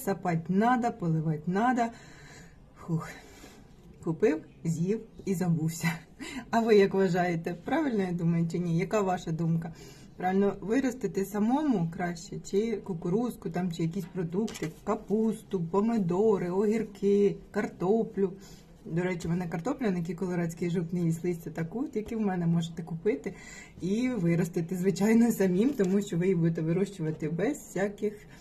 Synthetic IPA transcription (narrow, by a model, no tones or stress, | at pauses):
sɐpɑtʲnɑd̪ɐpɔlˠɪʋɑtʲnɑd̪ɐ | xux | kʊpɪw | zʲjiwizɐbuwsʲɐ | ɐʋɪjɐkʋɐʒɑjet̪ɛpɾɑʋɪlʲnɔjɛd̪umɐjet͡ʃɪnʲijɐkɑʋɑʃɐd̪umkɐ | pɾɑʋɪlʲnɔʋɪɾɔst̪ɪt̪ɪsɐmɔmʊkɾɑʃt͡ʃɛt͡ʃɪkʊkʊɾuskʊt̪ɑmt͡ʃɪjɐkʲisʲpɾɔd̪ukt̪ɪkɐpust̪ʊpɔmed̪ɔɾɪɔɦʲirkɪkɐrt̪ɔplʲʊ | d̪ɔɾɛt͡ʃiʋɔnɛkɐrt̪ɔplʲɐnɪjɐk̬ʲikɔlˠɔɾɑt͡sʲkɪjʒut̪nɪjislˠɪsʲt͡sʲɐt̪ɐkut̪jɐkiwmɛnɛmɔʒet̪ɛkʊpɪt̪ɪ | iʋɪɾɔst̪ɪt̪ɪzʋɪt͡ʃɑjnɔsɐmʲimt̪ɔmuʃt͡ʃɔʋɪjibud̪et̪ɛʋɪɾuʃt͡ʃʊʋɐt̪ɪbɛzsʲakɪx